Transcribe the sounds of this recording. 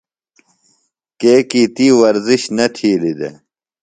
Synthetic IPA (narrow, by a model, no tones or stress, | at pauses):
keːkiːt̪iːwɐɾziɕnɐt̪ʰiːlid̪ḛ